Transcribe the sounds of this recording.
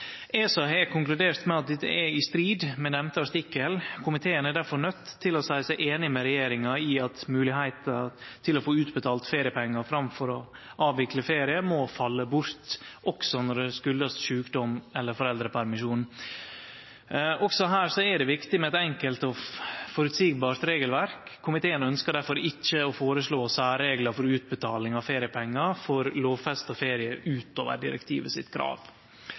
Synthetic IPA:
ʔɛsɑɦekʰʊŋklʉd̪eːɾt̪mɛɑt̪̚d̪ɛt̪ːə̰ʔɛɪst̪ɾiːd̪mɛnɛmt̪əɑst̪ɪkːəlkʰʊmɪt̪ʰeːənæɖæɾfɔɾnœt̪ʰːɪlɔsæɪsæɪʔeːnɪmɛɾɛjeːɾɪŋɑɪɑt̪mʉːlɪhæɪt̪ɑt̪ʰɪlɔfoːʉːt̪bət̪ʰɑːlt̪feːɾɪəpʰɛŋːɑfɾɑmfɔɾɔʔɑːʋʋɪkləfeːɾɪəmɔfɑlːəbʊɾt̪ʔɔksɔnɔɖɛskʉld̪əsʃʉːkd̪ɔmɛlːəɾfɔɾɛld̪ɾəpʰæɾmɪʂuːn | ʔɔksɔɦæːɾʂɔɛɖɛʋɪkt̪ɪmɛɛt̪ɛŋkəlt̪ɔfɔɾʉt̪siːɡbɑːɾt̪ɾeːɡəlʋæɾkʰːʊmɪt̪ʰeːənœnskəɖæɾfɔɾɪt͡ʃːəɔfoːɾəʂɭoːsæːɾeːɡlɑɾfɔɾʉːt̪̚bət̪ʰɑːlɪŋɑʋfeːɾɪəpʰɛŋːɑfɔɾloːʋfɛst̪ɔfeːɾɪəʔʉːt̪oːʋə̰ɖɪ̰ɾɛ̰kt̪ʰḭːʋəsɪ̰t̪kʰɾɑ̰ːʋ

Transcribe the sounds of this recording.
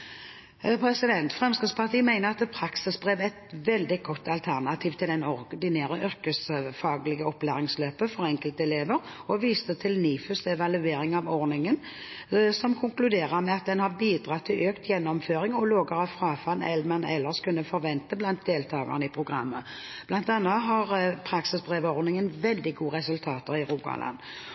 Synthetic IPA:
pʰɾɛsɪd̪ɛnt̪fʁɛmskɪt̪spʰɑʁt̪ʰiːmæɪnəʁɑt̪pʰɾɑksɪsbʁeːʋɛt̪ʋɛld̪ɪɡɔt̪ːɑlt̪ʰæʁnɑt̪ʰiːʋt̪ʰɪld̪ɛnɔʁd̪ɪneːɾəʔœʁkəsəfɑːɡlɪɡəɔplæːʁɪŋsløːpəfɔɾɛŋkəlt̪ɛleːʋəɾ | ɔʋiːst̪ət̪ʰɪlniːfʉsɛʋɑlʉeːɾɪŋɑʋɔɾnɪŋən | sɔmkʰʊŋklʉd̪eːʁəɾmɛɑt̪̚d̪ɛnhɑʁbiːd̪ʁɑt̪ʰːɪlʔøːkt̪jɛnːɔmføːɾɪŋɔloːɡəɾɑfʁɑːfɑnɛ̰lmənɛ̰lːəʁskʉnːəfɔɾʋɛnt̪əblɑnt̪̚d̪eːlt̪ʰɑːɡɑ̰ʁnəɪpʰʁʊɡʁɑ̰mːə | b̥lɑnt̪ɑnːɑtɦɑʁpʰɾɑksɪsd̪ʁeːʋəɔʁnɪŋənʋɛld̪ɪɡuːəʁɛsʉlt̪ʰɑːt̪əʁɪʁuːɡɑ̰lɑ̰n

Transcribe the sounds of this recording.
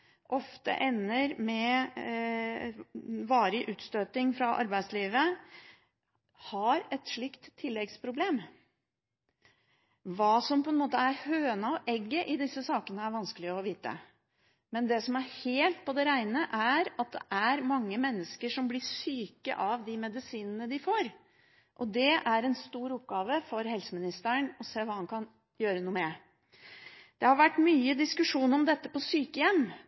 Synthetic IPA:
ʔɔft̪ə̰ʔɛnːəɾmɛ | ʋɑːɾəʔʉːt̪st̪øːt̪ɪŋfɾɑʔɑ̰ɾbæɪsliːʋə | hɑɾɛt̪ʂɭɪkt̪ʰːɪlːɛɡspʰɾʊbleːm | ʋɑːsɔmpɔɛnmoːt̪əæɾhøːənəɔʔɛɡːəʔɪd̪ɪsːəsɑːkənəæɾʋɑnskəlɪəɔʋiːt̪ə̰ | mɛnd̪ɛsɔmæɾheːlt̪̚pʰɔd̪ɛɾæɪnəʔæɾɑt̪̚d̪ɛ̰ʔæɾmɑŋːəmɛnːəskəʂɔmblɪsyːkə̰ʔɑʋd̪ɪmɛd̪ɪsiːnənəd̪ɪfoːɾ | ʔɔd̪ɛʔæɾɛnst̪uːɾʊp̚ɡɑːʋəfɔɾhɛlsəmɪnɪst̪əɳɔseːʋɑːhɑnkʰɑn | jøːɾənuːmɛ | d̪̥ɛhɑɾʋæʈːmyːəd̪ɪskʉʂuːnɔmd̪ɛt̪ːəpɔsyːkəjɛmː

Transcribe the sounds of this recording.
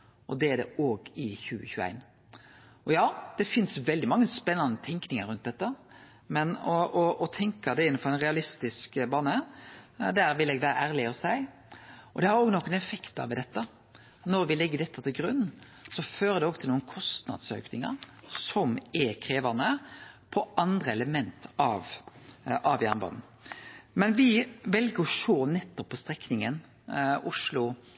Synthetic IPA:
ʔɔd̪ɛæɖ̪ɛ̰oːɡɪçʉːəçʉːæ̰ɪn | ʔɔjɑːd̪̥ɛfɪnsʋɛld̪ɪmɑŋːəspɛnːɑnət̪ʰɛŋknɪŋəɾʉnt̪̚d̪ɛt̪ːə | mɛnɔʔɔɔt̪ʰɛŋkɑd̪ɛɪnːnfɔɾæɪnʁɛɑlɪst̪ɪskbɑːnə | d̪æɾʋɪlɛːɡʋæːɾə̰ʔæːɾlɪɔsæɪ | ʔɔd̪ɛhɑɾoːɡnɔkːənɛfɛkt̪ɑ̰ʋɪd̪ɛt̪ːə | nɔɾʋɪlɛɡːəd̪ɛt̪ʰːət̪ʰɪlɡɾʉnː | sɔføːɾəd̪ɛɔɡt̪ʰɪlnuːənkʰɔst̪nɑ̰d̪sø̰ːknɪŋə̰ɾsɔmɛkʰʁeːʋənəpʰɔɑnd̪ɾəɛləmɛnt̪ɑʋ | ɑʋjæʁnbɑ̰ːnn̩ | mɛnʋɪʋɛlɡəɾɔʃoːnɛt̪ːɔpʰːɔst̪ɾɛknɪŋən | ʊʂlʊ

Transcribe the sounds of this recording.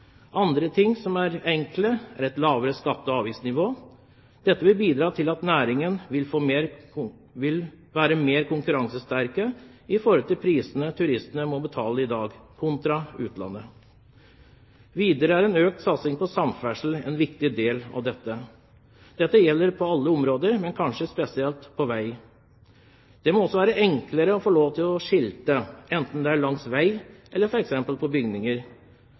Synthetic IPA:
ʔɑnd̪ɾət̪ʰɪŋːsɔmæɾɛŋkləæɾɛt̪lɑːʋəɾəskɑt̪ːɔɑːʋiːsnɪʋoː | d̪̥ɛt̪ːəʋɪlbiːd̪ɾɑːt̪ʰɪlɑt̪næːɾɪŋənʋɪlfoːmeɾ | ʋɪl | ʋæːɾəmeːɾkʰʊŋkʉɾɑŋsəst̪æɾkəɪfɔɾɔlt̪ɪlpʰɾiːsənət̪ʰʉɾɪst̪ənəmɔbət̪ʰɑːləɪd̪ɑːɡkʰʊnt̪ɾɑʉːt̪lɑ̰nːə | ʋiːd̪əɾəæɾɛnøːk̚t̪sɑt̪sɪŋpɔsɑmfæʂl̩ɛnʋɪkt̪ɪd̪eːlɑ̰ʋd̪ɛt̪ːə | d̪̥ɛt̪ːəjɛlːəɾpʰɔɑlːəɔmɾoːd̪əɾmɛnkʰɑnʂəspɛsɪɛlt̪pʰɔʋæɪ | d̪̥ɛmɔɔsːɔʋæːɾəʔɛŋkləɾəɔfɔɭoːʋt̪ʰɪlɔʂɪlt̪əɛnt̪n̩d̪ɛæɭɑŋsʋæɪʔɛlːəɾfɔɾɛksɛmpəlpʰɔbʏɡnɪŋəɾ

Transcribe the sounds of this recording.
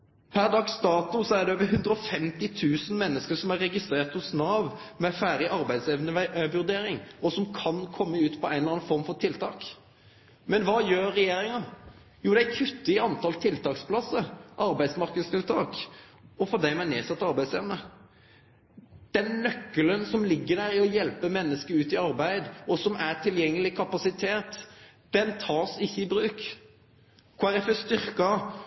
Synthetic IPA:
pʰæɾd̪ɑkst̪ɑːt̪ʊsɔæɾd̪ɛøːʋəɦʉnd̪ɾəɔfɛmt̪ɪt̪ʰʉːsən̩mɛnːəskəsɔmæɾːɛɡɪst̪ɾeːʁt̪hʊsnɑːʋmɛfæːɾɪʔɑɾbæɪd̪seʋnəʋʉɾd̪eːɾɪŋɔsɔmkʰɑnkʰɔmːəʉːt̪pʰɔæɪnɑnfɔɾm̩fɔɾt̪ʰɪlt̪ʰɑːk | mɛnʋɑːjøːɾːɛjeːɾɪŋɑ | juːd̪æækʰʉt̪ːəɪɑnt̪ʰɑlt̪ʰɪlt̪ʰɑːkspʰlɑsəɾʔɑɾbæɪsmɑɾkəd̪st̪ɪlt̪ʰɑːkɔfɔd̪æɪmɛæneːsɑt̪ːɑɾbæɪseːʋənə | d̪̥ɛnnœkːələnsɔmlɪɡːəd̪æɾɪɔjɛlpəmɛnːəskəɾʉːt̪ɪɑɾbæɪd̪ɔsɔmʔæʈʰɪljɛŋːəlɪkʰɑpɑsɪt̪ʰeːt̪ | d̪̥ɛnt̪ʰɑːsɪçːəɪbɾʉːk | kʰɑɑɾɛfəst̪ʏɾkɑ

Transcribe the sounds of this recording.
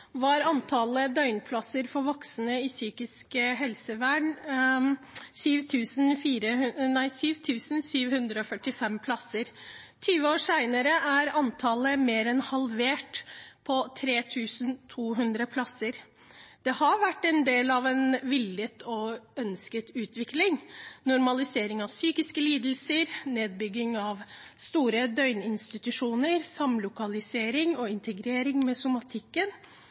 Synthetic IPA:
ʋɑɾɑnt̪ʰɑləd̪œʏnpʰlɑsəɾfɔɾʋɔksənəɪsyːkɪskəɦɛlsəʋæːɳ | syːʋt̪ʰʉːsnfiːɾənæɪsyːʋt̪ʰʉːsn̩syːʋhʉnd̪ɾəɔfœʈːɪfɛmpʰlɑsəɾt̪ʰyːʋəoːʂæɪnəɾəʔæɾɑnt̪ʰɑləmeːɾɛnhɑlʋeːʈpʰɔt̪ʰɾeːt̪ʰʉːsn̩t̪ʰuːɦʉnd̪ɾəpʰlɑsəɾ | d̪̥ɛhɑɾʋæʈːɛnd̪eːlɑʋɛnʋɪlːət̪ʰɔœnskət̪ʉːt̪ʰʋɪklɪŋnʊɾmɑlɪseːɾɪŋɑʋsyːkɪskəliːd̪l̩səɾneːd̪̚bʏɡːɪŋɑʋ | st̪uːɾəd̪œʏnɪnst̪ɪt̪ʉʂuːnəɾsɑmlʊkɑlɪseːɾɪŋɔɪnt̪ʰəɡɾeːɾɪŋmɛːsʊmɑt̪ʰɪkːən

